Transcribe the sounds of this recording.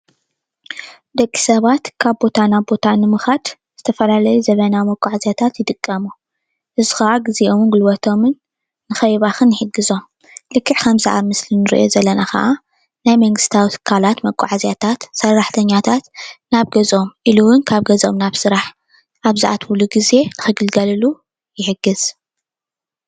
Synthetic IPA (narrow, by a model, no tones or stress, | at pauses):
d̪ɐkʼːi̥sɐβat̪kʰaβbo̞t̪ʰanabbo̞t̪ʰanɨmɨxad̪ | z̥ɨt̪ʰɐfɐlalɐjuzɐβɐnamɐkʼːaʕazjat̪ʰat̪jɪt̪ʼɨkʼːɐmu | ʔɨzɨxɐʔaɡɨziʔomɨnɡɨlwɐt̪ʰo̞mɨnː | ɨxɐjβaxɨnːħɨɡːɨzo̞m | lɨkʰːɨʕkʰɐmzaʔa̰mɨslinɨɾḭʔo̞̰zɐlːɐnaxɐ̰ʔa | najmɐŋɡɨst̪ʰawit̪ʰɨ̥kʰːalat̪mɐkʷʼːaʕazjat̪ʰat̪sɐrːaħt̪ʰɐɲːat̪ʰat̪naβɡɐzo̞mʔiluwʊnkʰaβɡɐzo̞̰mnaβsɨɾaħ | ʔaβzaʔa̰t̪ʰwuluɡize̞nɨxɨɡɨlɡɐlɨlu | jɪħɨɡɨz̥